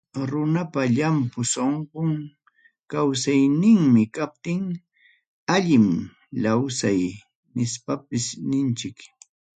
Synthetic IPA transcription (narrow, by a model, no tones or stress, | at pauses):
ɾʊnapaʎampʊsoɴqoŋ | kawsajnɪŋmɪkap̚t̪ɪŋ | aʎɪm | lawsaj | nɪspapɪsnɪnt͡ʃɪk